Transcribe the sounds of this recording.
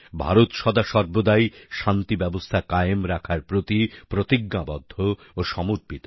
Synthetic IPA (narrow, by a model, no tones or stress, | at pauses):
bʱa̰ɾot̪ʃɔd̪aʃɔɾbod̪ajʃant̪ibɛbost̪ʰakajemɾakʰaɾpɾot̪ipɾot̪iɡnabɔd̪ʱːo | oʃɔmoɾpit̪